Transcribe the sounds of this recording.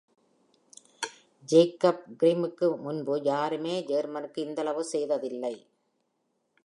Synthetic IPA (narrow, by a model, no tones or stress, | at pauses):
d͡ʒeːkːɐp̚ɡɪɾiːmɯkːɯmʊnbɯjaːɾɯmeːd͡ʒeːɾmɐnɯkːɯɪnd̪ɐlɐʋɯsɛjðɐðɪlːɐɪ